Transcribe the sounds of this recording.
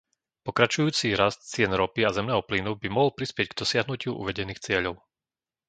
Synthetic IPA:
pɔkɾat͡ʃujuːt͡siɾast̪̚t͡sɪɛnɾɔpiazɛmnɛːɦɔplinubimɔɦɔlpɾispɪɛɟɡd̪ɔsɪaɦnucɪuʔṵʋɛɟɛniːxt͡sɪɛʎɔʊ

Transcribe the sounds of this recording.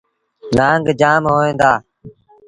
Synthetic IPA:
naːŋɡd͡ʒaːmɦoːẽːnd̪aː

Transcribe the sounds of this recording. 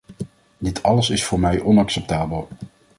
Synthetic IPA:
dɪtʰɑləsɪsfʊːɹmɛjʔɔnɑksɛp̚taːbəlˠ

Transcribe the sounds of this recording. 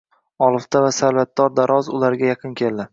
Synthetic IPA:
ɒlˠɨft̪avasaɾvat̪̚d̪ɒɾd̪aɾʔɒzʊ̰laɾɡʲajɑqʰɨnkʲe̞ld̪ɪ

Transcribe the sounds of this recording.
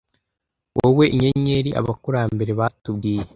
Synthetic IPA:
wʔowe̞iɲeɲeɾiʔa̰βakuɾaːmbe̞ɾe̞βatub̚ɡiːje

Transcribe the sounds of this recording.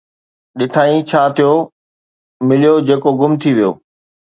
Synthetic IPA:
ɗɪʈʰaːĩt͡ɕʰaːt̪ʰijo | mɪlijod͡ʑeːkoɡʊmt̪ʰiʋijo̰ː

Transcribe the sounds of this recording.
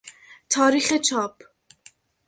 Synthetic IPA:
t̪ʰɑːɾiχɛt͡ʃʰaːpʰ

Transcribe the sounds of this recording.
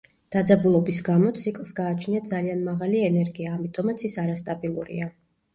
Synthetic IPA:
d̪̥ad̪zabulˠɔbisɡamɔt̪sʰikʼlˠsɡaːt͡ʃʰniad̪zalianmaʁaliɛnɛɾɡiaːmit̪ʼɔmat̪sʰisaɾast̪ʼabilˠṵɾḭa

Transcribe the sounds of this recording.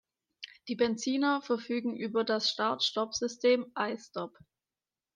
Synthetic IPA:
d̥iːbɛnt͡siːnɐfɛɐfyːɡŋ̩ʔyːbɐdasʃtaɐtʃtɔfz̥ʏstʰeːmʔaɪstɔp

